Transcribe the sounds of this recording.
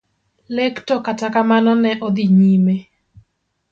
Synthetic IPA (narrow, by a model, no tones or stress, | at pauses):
lektɔkatakamanɔnɛʔɔd̪iɲime